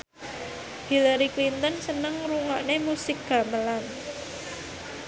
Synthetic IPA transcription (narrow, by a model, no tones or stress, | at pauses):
hilaɾiklint̪ənsənəŋɾuŋaʔnemusɪk̚ɡ̥ä̤məlan